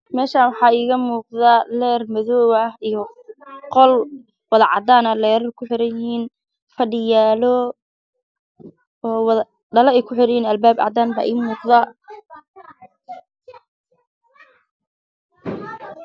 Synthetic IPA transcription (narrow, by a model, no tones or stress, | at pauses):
mɛːʃaːwɑħɑːiːɣɐmuːq̚ðɐlɛːrmɐðɔːwɐhijɔ | qɔl | wɑðɐʕɑ̰d̪aːnɐlɛːɾɐrkʰʊħɪɾɐjɪhiːn | fɐɖɪjaːlɔ | ɔːwð | ɖɐlɐɛjkʰʊħɪɾɐjiːnɐlbaːbʕɑ̰d̪aːnba̰ːʔiːmuːqðɐ